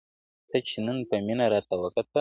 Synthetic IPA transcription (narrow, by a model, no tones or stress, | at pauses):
t̪ət͡ʃenənpəminaɾɑt̪awəkat̪ə